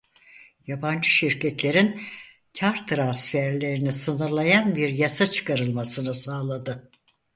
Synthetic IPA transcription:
jaband͡ʒɯʃiɾcʰɛt̪lʲe̞ɾin | cʰaɾt̪ʰɾansfæɾlʲe̞ɾinisɯnɯɾlˠajanbiɾjasat͡ʃʰɯ̥kaɾɯlˠmasɯnɯsaːlˠad̪ɯ

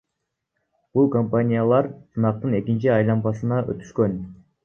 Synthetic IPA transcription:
b̥ulˠkompanʲijalˠɑɾsɯnɑq̚t̪ɯne̞kint͡ʃiɑjlˠɑmbɑsɯnɑʔø̰t̪y̥ʃkø̞n

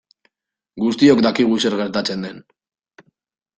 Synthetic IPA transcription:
ɡust̪io̞kd̪akiɣ̞use̞ɾɣe̞ɾt̪at͡se̞nd̪e̞n

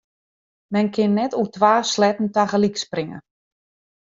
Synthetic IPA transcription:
mɛnkʰɪnːɛtutʋaːslɛtn̩taɣəliksprɪŋə̰

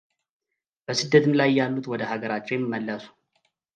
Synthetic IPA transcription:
b̥əsɨd̪ːət̪ʰɨmlajjːalːut̪wɔd̪əhaɡəɾat͡ʃːɛjɛmːimːəlːəsu̥

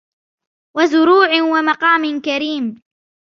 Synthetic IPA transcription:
wazʊɾuːʕɪwamɑqɑːmɪnkaɾiːm

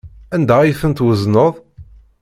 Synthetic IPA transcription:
ænd̪æjθənt̪wəznəðˤ

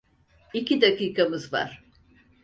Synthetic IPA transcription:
icʰid̪akiːkʰamɯzva̰ɾ̥

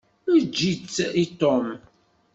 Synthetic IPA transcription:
id͡ʒːit͡sːit̪om

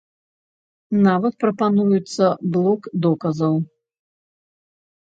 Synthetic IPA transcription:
navɐt̪̚pɾɐpanujut̪sːɐblˠɔkd̪ɔkɐzɐw

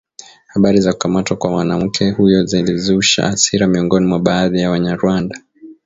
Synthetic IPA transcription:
haɓaɾizaku̥kamatwakwamwanam̩kʰɛhujɔzilizuʃa̰ʔːsiɾamiɔŋɡɔnimwaɓaːðijawaɲaɾuanda

